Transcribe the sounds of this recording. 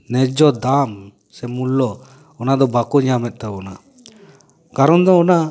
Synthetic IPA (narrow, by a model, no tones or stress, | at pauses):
nɛd͡ʒɔd̪am | sɛmulːɔ | ɔnad̪ɔbakɔɲamɛt̪̚t̪abɔna | kaɾɔnd̪ɔɔna